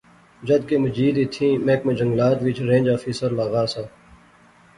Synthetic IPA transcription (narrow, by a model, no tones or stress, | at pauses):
d͡ʒɐd̪̚kemɐd͡ʒiːd̪iːt̪ʰĩːmẽːkmẽd͡ʒɐŋɡlaːt̪ʋɪt͡ʃʰɾẽːnd͡ʒaːfisəɾlaːɣaːsaː